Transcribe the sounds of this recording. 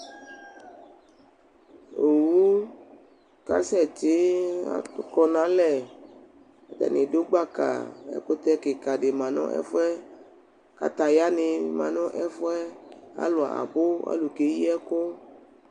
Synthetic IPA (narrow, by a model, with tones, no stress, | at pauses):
o˨wu˦ | ka̰˨˦sɛ˦˨t͡ʃɪ˨˦a̰˦˨tʊ˦kɔ˧nã˨˦lɛ˦˨ | a˨d̪a̰˨nɪ̃˨do˦ɡ͡ba˦˨ka̰˨ɛ̰˦ko˦t̪ɛ˦ke˨ka˨ɖe˨mã˨nɔ̰̃˦ʔɛ̰˦fɛ˦ | ka̰˨t̪a˨ja˦nɪ̃˧mã˨nɔ̃˦ʔɛ˦fʊ˦ɛ˦a̰˦lo˨a̰˨ʔa̰˨bo˦a̰˦lu˨ke˨˦ji˦ɛ˦ko˦